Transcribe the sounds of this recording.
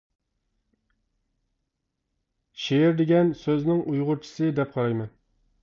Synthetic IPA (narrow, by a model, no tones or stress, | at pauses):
ʃejɪɾd̪ɪɡʲɛnsøznɪŋʔujʁʊɾt͡ʃʰi̥sɨd̪ɛp̚qʰɑɾɑjmɛn